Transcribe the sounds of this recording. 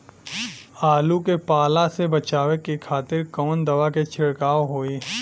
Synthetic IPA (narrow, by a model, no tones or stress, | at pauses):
aːlukepaːlasebɐt͡ʃaːʋekikʰaːt̪ɪɾkɔːnd̪ɐʋaket͡ʃʰɪɽkaːʋɦoːiː